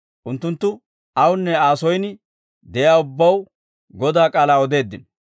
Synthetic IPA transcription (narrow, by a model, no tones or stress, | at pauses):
ʔʊnt̪ːʊnt̪ːʊ | ɐwʊnːɛaːsɔjn | d̪ɛjaːʊbːɐw | ɡɔd̪aːkʼaːlaːɔd̪e̞ːd̪ːɪn